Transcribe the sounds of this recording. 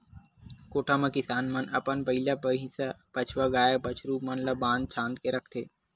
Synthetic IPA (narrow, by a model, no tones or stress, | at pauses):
koːʈʰamɐ̃kɪsaːnmɐnɐpənpɐɦilapəɦĩsapət͡ʃʰʋaɡaːjebət͡ʃʰɾumɐnlɐbãːnd̪̚t͡ʃʰãːnd̪keɾɐkʰt̪ʰeː